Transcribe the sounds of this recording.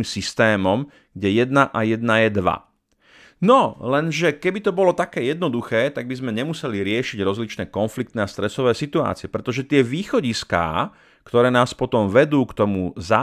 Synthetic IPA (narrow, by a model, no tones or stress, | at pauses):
msist̪ɛːmɔm | ɡ̥ɟɛjɛd̪naʔajɛd̪̚najɛd̪ʋa̰ | nɔlɛnʒɛkɛbit̪ɔbɔlɔt̪akɛːjɛd̪nɔd̪uxɛːt̪aɡ̚bizmɛɲɛmusɛliɾɪɛʃiɟɾɔzlit͡ʃnɛːkɔnflik̚t̪nɛast̪ɾɛsɔʋɛːsit̪ua̰ːt͡siɛpɾɛt̪ɔʒɛt̪ɪɛʋiːxɔɟiska̰ː | kt̪ɔɾɛːnaːspɔt̪ɔmʋɛd̪uːkt̪ɔmuza